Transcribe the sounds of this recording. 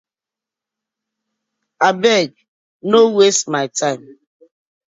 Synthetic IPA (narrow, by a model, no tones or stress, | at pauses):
abɛɡ | nowestmaɪtʰaɪm